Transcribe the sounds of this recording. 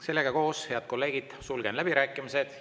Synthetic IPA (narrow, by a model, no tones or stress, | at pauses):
se̞lːe̞ɡ̥ɑko̞ːshe̞ɑd̪̥̚ko̞lːe̞ːɡ̥id̪̥sulɡ̥e̞nlæb̥iɾæːkːˑimise̞d̪̥